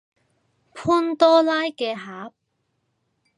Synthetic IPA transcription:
pʰuː˥nt̪ɔː˥laː˥jkɛː˧ɦaː˨˥p̚

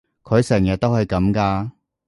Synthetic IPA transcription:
kʰɵ˨˧ɥsɛː˨˩ŋjɐ˨t̚t̪o˥whɐ˨jkɐ˨˥mkaː˧

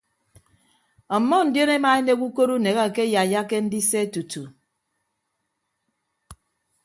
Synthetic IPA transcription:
ɔ˨mːɔ˦n̩˨djo˦ne˦ma˨e˦ne˦ku˦ko˦ɾu˦ne˨ɣa˦˨ke˦ja˨ja˦ke˦n̩˦di˦se˦tu˨tu˨

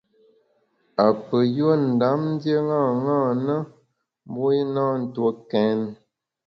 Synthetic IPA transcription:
a˨pə˨jo˦˨n̩˨da˨˦mn̩˦dje˦ŋã˦˨ŋaː˦˨nə˦ | mbo˦i˦nã˦n̩˨two˦kɛ˨˦n

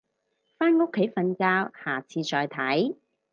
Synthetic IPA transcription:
faː˥nŋʊ˥kʰːe˨˥jfɐ˧nkaː˧whaː˨˩t͡sʰiː˧t͡ʃɔː˧jt̪ʰɐ˨˥j

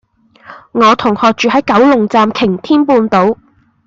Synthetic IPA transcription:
ŋɔː˨˧t̪ʰʊ˨˩ŋhɔː˨k̚t͡ʃyː˨ɦɐ˨˥jkɐ˨˥wlʊ˨˩ŋt͡saː˨˧mkʰɪ˨˩ŋt̪ʰiː˥npuː˧nt̪o˨˥w

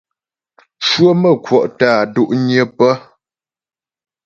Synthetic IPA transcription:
t͡ʃwə˦mə˦˨kwɔ˨ʔtaː˦˨du˦ʔɲjə˦pə˦

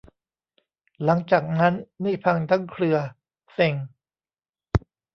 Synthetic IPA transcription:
la˩˦ŋt͡ɕaː˨˩k̚na˦˥nːiː˥˩pʰa˧ŋt̪ʰa˦˥ŋkʰlɯ˧ɐ | se˧˩ŋ

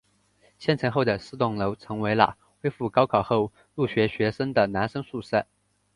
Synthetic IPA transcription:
ɕjɛ˥˩nʈ͡ʂʰɤ˧˥ŋxo˥˩ʊd̪ə˩sɹ̩˥˧t̪ʊ˥˩ŋlo˧˥ʊt͡sʰɤ˧˥ŋwe˧˥ɪlə̰˧ | xwe˥ɪfu˥˩kɑ˥ʊkʰɑ˨˩ʊxo˥˧ʊ | lu˥˩ɕɥɛ˧˥ɕɥɛ˧˥ʂə˥ŋd̪ə˨na˧˥nʂɤ˥ŋsu˥˧ʂə˥˩

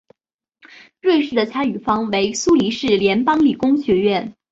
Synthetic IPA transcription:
ɻwe˥˧ɪʂɻ̩˥˩d̪ə˩t͡ɕʰja˥y˨˩fɑ˥ŋwe˧˥ɪsu˥li˧˥ʂɻ̩˥˩ljɛ˧˥npɑ˥ŋli˨˩kʊ˥ŋɕɥɛ˧˥ɥɛ˥˩n

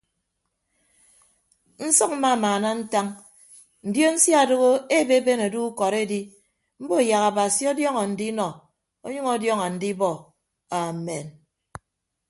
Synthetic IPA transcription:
n̩˦sɔ˦k̚m̩˦ma˦˨maː˨na˦n̩˦ta˦ŋ | n̩˨djo˦n̩˦sja˦˨do˦ɣo˦e˦be˦be˦na˨du˦u˦kɔ˨ɾe˦di˦ | m̩˦bo˦˨ja˨ɣa˨ba˨si˦ɔ˦djɔ˦ŋɔ˨n̩˨di˦nɔ˨ | o˦ɲʌ˦ŋɔ˦djɔ˦ŋa˨n̩˨di˦bɔ˦˨ | a˨me˨n

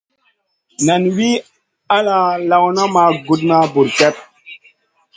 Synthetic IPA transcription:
na˨nwi˦ | a˦la˨la˨wna˦ma˨ɡu˦˨t̬̚na˦bu˨ɾkɛ˦p̚

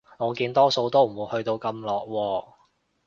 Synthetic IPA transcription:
ŋɔː˨˧kiː˧nt̪ɔː˥so˧wt̪o˥wm̩˨˩wuː˨˧jhɵ˧ɥt̪o˧wkɐ˧mlɔː˨k̚wɔː˧

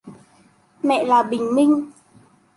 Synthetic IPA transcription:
mɛ̰˧˨laː˨˩ɓï˨˩ŋ̟mï˧ŋ̟

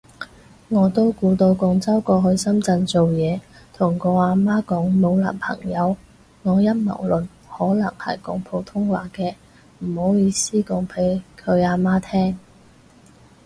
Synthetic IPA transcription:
ŋɔː˨˧t̪o˥wkuː˧t̪o˧wkʊ˨˧ŋt͡sɐ˥wkɔː˧ɦɵ˧ɥsɐ˥mt͡sɐ˧nt͡so˨wjɛː˨˧t̪ʰʊ˨˩ŋkɔː˧aː˧maː˥kɔː˨˥ŋmo˨˧wlɐ̰ː˨˩npʰɐ̰˨˩ŋjɐ˨˧w | ŋɔː˨˧jɐ˥mɐ̰˨˩wlɵ˨n | hɔː˨˥lɐ̰˨˩ŋhɐ̰˨˩jkʊ˨˥ŋpʰo˨˧wt̪ʰʊ˥ŋwaː˨kɛː˧ | m̩˨˩ho˨˥wjiː˨˧siː˥kʊ˨ŋpʰe˨˥jkʰɵ˨˧ɥaː˨˧maː˥t̪ʰɛː˥ŋ

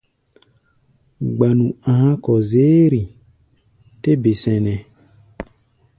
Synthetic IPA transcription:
ɡ͡ba˨nũ˨ã˨hã˦kɔ˨ze˦ɾi˨ | te˦be˨sɛ̃˨nɛ̃˨

